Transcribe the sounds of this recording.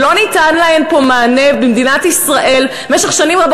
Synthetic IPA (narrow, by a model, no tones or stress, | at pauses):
lo̞nitanlaenpo̞maːnevbimd̪inatisʁaʔe̞l | meʃeχʃanimʁab